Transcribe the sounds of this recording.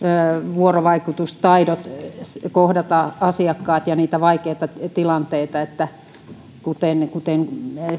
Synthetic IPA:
øːʋuoroʋɑikut̪ust̪ɑidot̪kohdɑt̪ɑɑsiɑkːɑːt̪jɑniːt̪æʋɑikeːt̪ɑt̪ilɑnt̪eit̪ɑet̪ːæ | kut̪enkut̪eŋ

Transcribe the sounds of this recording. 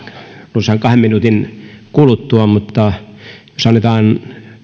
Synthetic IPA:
nuseɑŋkɑhemminut̪inkulut̪ːuɑmut̪ːɑjosɑnːet̪ɑːn

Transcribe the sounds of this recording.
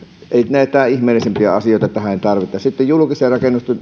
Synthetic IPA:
eˑinæˑet̪ˑæːihmeːlˑisempiæɑsijoˑit̪ɑet̪ːæhæeˑnʲt̪ɑrʋit̪ːˑɑssit̪ːejjulukiserɑkenːust̪ɑ

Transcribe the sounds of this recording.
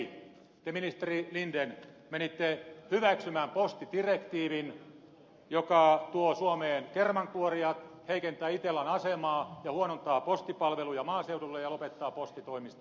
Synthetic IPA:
t̪eminist̪erilinden | menit̪ːehyʋæksymæːmpost̪it̪irekt̪iːʋin | jokɑt̪uosuomeːnkermɑŋkuoriɑt̪ | heikent̪æːit̪elːænɑsemɑːjɑhuonont̪ɑːpost̪ipɑlʋelujɑmɑːseudulːejɑlopet̪ːɑːpost̪it̪oimist̪ɑ

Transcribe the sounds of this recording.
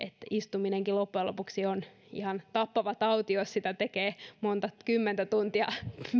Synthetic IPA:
ʔet̪ist̪umineŋkilopːuelo̰puksion | ḭhɑnt̪ɑpːɑʋɑt̪ɑut̪iossit̪æt̪ekeːmont̪ɑkymːent̪æt̪unt̪iɑ

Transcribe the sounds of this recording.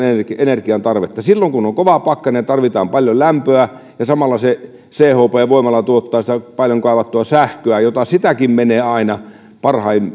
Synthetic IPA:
ekenerkiɑnt̪ɑrʋet̪ːɑsilːoŋkunoŋkoʋɑpɑkːɑneɑt̪ɑrʋit̪ɑ̰ːmpɑljolæmpøæ | jɑsɑmɑlːɑse | seːhoːpeːʋoˑimɑlːɑt̪uot̪ːɑːsit̪æpɑljoŋkɑˑiʋɑt̪ːuɑsæhkøæjot̪ɑsit̪ækimmeneːɑinɑ | pɑrhɑim

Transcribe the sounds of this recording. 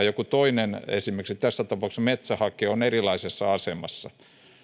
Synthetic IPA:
jokut̪oinenḛsimerksit̪æsːæt̪ɑpɑˑuksmet̪sæhɑkeːonerilɑisesːɑɑsemɑ̰sːɑ̰

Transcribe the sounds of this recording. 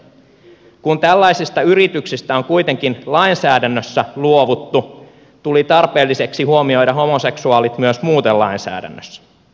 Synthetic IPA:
kunt̪ælːæjsist̪ɑyɾit̪yksist̪æoŋkujt̪eŋk̟inlɑinsæːdænːøsːæluo̞ʋut̪ːu | t̪ulit̪ɑrpe̞ːlːise̞ksihuo̞mio̞jdɑɦo̞mo̞se̞ksuɑːlit̪myøsmuːt̪elɑinsæ̰ːdæ̰nːø̰sː

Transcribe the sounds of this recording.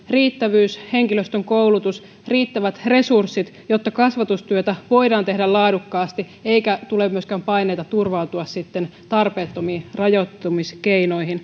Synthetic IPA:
riːt̪ːæʋyːshe̞ŋkiløst̪øŋkouwlut̪us | riːt̪ːæʋæt̪re̞sursːit̪ | jo̞t̪ːɑkɑsʋɑt̪ust̪yøt̪æʋo̞idɑːnt̪e̞ɦdælɑːdukːɑːst̪i | e̞ikæt̪ulemyøskæmpɑjne̞ijt̪ɑt̪urʋɑut̪uɑssit̪ːent̪ɑrpe̞ːt̪ːo̞miːrɑjo̞t̪ːomiskeino̞ihin

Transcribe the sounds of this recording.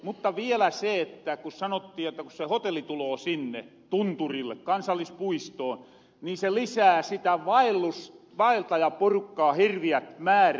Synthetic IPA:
mut̪ːɑʋielæseet̪ːækussɑnot̪ːiːjjot̪ːɑkussehot̪elːit̪uloːsinːe | t̪unt̪urilːḛkkɑnsɑlːˑispuist̪oːn | niːselisæːsit̪æʋɑilːus | ʋɑilt̪ɑjɑporukːɑːhirʋiæt̪mæːr

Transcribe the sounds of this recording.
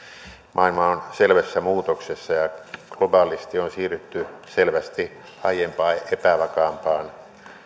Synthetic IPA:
mʔɑilmɑonselʋæsːæmuːt̪oksesːɑjɑklobɑlist̪ionsiːryt̪ːyselʋæst̪i | ɑijempɑːepæʋɑkɑːmpɑːn

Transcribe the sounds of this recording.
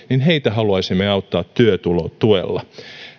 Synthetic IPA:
ninheit̪æɦɑluɑisimːeɑut̪ːɑːt̪t̪yøt̪ulo̰t̪uḛlːɑ̰

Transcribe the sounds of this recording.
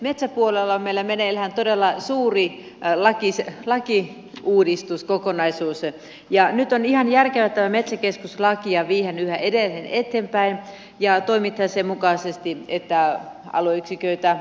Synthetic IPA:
met̪sæpuolelːɑmelːæmenelhænt̪odelːɑsuːri | lɑkislɑki | uːdist̪uskokonɑisuːs | jɑnyt̪onihɑnjærkeʋæt̪ːæʋæmet̪sækeskuslɑkiɑʋiːhenyhæʔedelhenet̪ːeːmpæin | jɑt̪oimit̪hɑsemukɑˑsest̪iet̪ːæ | ɑ̰loyksikøit̪æ

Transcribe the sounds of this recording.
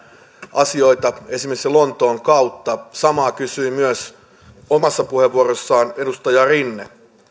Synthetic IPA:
ʔɑsioit̪ɑesimekselont̪oːŋkɑut̪ːɑsɑmɑːkysyimyøs | omɑsːɑpuheʋːuorosːɑːnedust̪ɑjɑrinːḛ

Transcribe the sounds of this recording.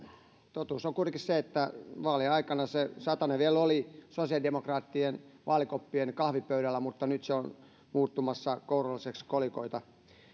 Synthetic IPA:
t̪ot̪uːsoŋkurkisseet̪ːæʋɑːliɑikɑnɑsesɑt̪ɑneʋielolisosiɑlidemokrɑːt̪ːienʋʔɑːlikopːienkɑhʋipøyɾælːˑæmut̪ːɑnyt̪seon | muːt̪ːumɑsːɑkourolːisekskoliko̰it̪ɑ

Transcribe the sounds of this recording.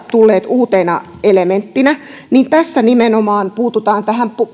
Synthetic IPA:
t̪ulːeːt̪uːt̪eːnɑ̰ | element̪ːinæ | niːnt̪æsːænimenomɑːnpuːt̪ut̪ɑːnt̪æhæmpu

